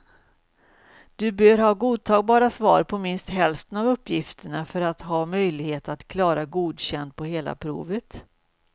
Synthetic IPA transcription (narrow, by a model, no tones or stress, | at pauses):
d̪̥ɵbœːɾɦɑːɡuːd̪̚t̪ʰɑːɡ̚bɑːɾasvɑ̰ːɾpʰɔmɪnst̪ɦɛlft̪ənavɵpːjɪft̪əɳafœɾat̪ɦɑːmœjlɪɡheːt̪at̪kʰlɑːɾaɡuːd̪ɕɛnd̪̚pʰɔɦeːla̰pʰɾṵːvət̪